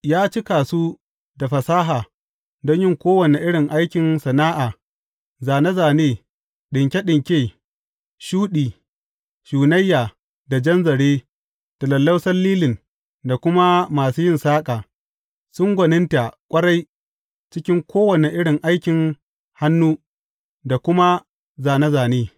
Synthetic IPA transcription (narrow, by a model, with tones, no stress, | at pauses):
jaː˦t͡ʃɪ˦kaː˨suː˦ | da˨ɸɐ˨saː˦ɦaː˨ | dɔ˦ɲjɪ˦ŋkʷoː˦wɐ˨ne˨ʔɪ˦ɽɪ˨ŋʔa˦jkʲɪ˨nsɐ˨naː˦ʔaː˨ | zaː˨ne˦zaː˨neː˦˨ | ɗɪ˨ŋkʲe˦ɗɪ˨ŋkʲeː˦ | ʃuː˦ɗiː˨ | ʃuː˨nɐ˦jːaː˨ | da˨d͡ʒɐ˦nzɐ˨ɽeː˦ | tɐ˨lɐ˨lːɐ˦wsɐ˦lːiː˦lɪ˨n | da˨kʷʊ˦ma˦maː˨suː˦jɪ˦nsaː˦kʼaː˨ | sʊ˦ŋɡʷɐ˨nɪ˦nta˨kʷʼɐ˦ɽa˦j | t͡ʃɪ˦kʲɪ˦ŋkʷoː˦wɐ˨ne˨ʔɪ˦ɽɪ˨ŋʔa˦jkʲɪ˨ŋ | ha˦nːuː˦ | da˨kʷʊ˦ma˦ | zaː˨ne˦zaː˨neː˦